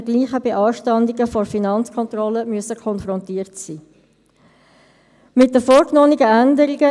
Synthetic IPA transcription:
ɡliːχəbeʔɑːʃtɑndɪɡəfɔɾfinɑnt͡skʰɔnt̪ɾɔləmyəsəkʰɔnfɾɔntiːəɾtsiː | mɪt̚dəfoːɾknoːniɡəændəɾiɡə

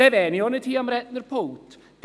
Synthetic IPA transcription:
ɛvɛniɔnətʰiːamrɛtnərpʰowtʰ | d̥

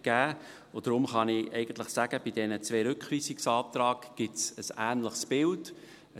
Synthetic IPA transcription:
ɡ̥æː | od̥̪ɾʊmχɑnɪʔɛɪɡ̥ən̩t̪ləχsæɡ̥əb̥idɛnət͡sʋɛːɾʏkχviːsiksɑːp̚t̪ɾɑːɡɡ̥ɪtsəsæːnləχsb̥ɪld | ə

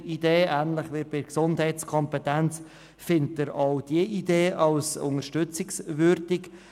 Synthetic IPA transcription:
ideːæːnlɪχʋɪɾb̥ɪksʊndɦɛɪt͡skʰɔmpɛtænt͡s | fɪntəɾɑwd̥iəʔideːɑlsʊ̰ŋəɾʃtʏt͡sɪksvʏɾd̥ɪk

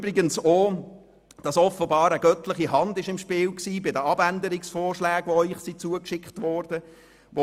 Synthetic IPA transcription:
bɾɪɡənsoː | d̥ɑsɔfəbɑːɾəɡ̥œtlɪχiɦɑndɪʃɪmʃpɪːlksiːbɪdəɑbændəɾɪksfɔːrʃlæːɡ̥ʋoœʏχsit͡suəkʃɪkχtʋɔɾd̥ə | ʋo

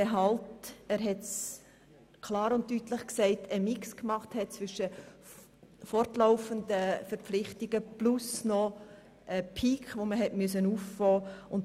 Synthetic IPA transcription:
ɛɦɑltæːɾɦɛts | kʰlɑːɾʊnttːyːtləχksɛɪtʰəmɪkskmɑχthɛt̚t͡svʏʃːə | fɔrtlaʊfəndəfəɾp͡flɪχtiɡ̥əplʊsnɔ | əpʰiːkχʋoməɦɛtmyəs̬ənuːffɔːʊnt

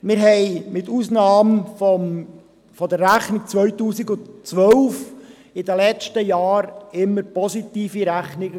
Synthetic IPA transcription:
mɪɾɦɛɪmɪtusnɑːmfɔm | fɔdərːæχnɪk̚t͡sʋœʏtuːsiɡʊntt͡sʋœlf | ɪdəlɛt͡ʃtəjɑːɾɪmːəɾpɔsit̪iːfiɾæχnɪ

